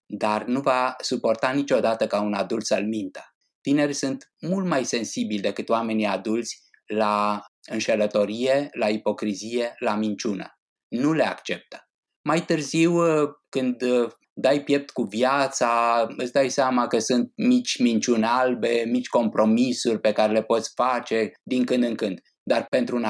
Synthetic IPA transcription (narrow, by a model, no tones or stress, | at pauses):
d̪arnuvasupo̞rt̪anit͡ʃʲo̞d̪at̪əkaunad̪ult̪səlmint̪ə̥ | t̪ine̞rʲsunt̪mult̪majse̞nsibilʲd̪e̞kɨt̪oame̞nijad̪ult̪sʲ | laɨnʃelət̪o̞ɾijelaipo̞kɾizije̞lamint͡ʃunə̰ | nule̞a̰kt͡ʃe̞p̚t̪ə̥ | majt̪ɨrziwkɨnd̪ | d̪ajpje̞p̚t̪kuvjat̪saɨsd̪ajseamakəsunt̪̚mit͡ʃʲmint͡ʃunalbe̞mit͡ʃʲko̞mpɾo̞misurʲpe̞kaɾe̞le̞po̞t̪sʲfat͡ʃe̞d̪iŋkɨnd̪ɨŋkɨnd̪ | d̪arpe̞nt̪ɾun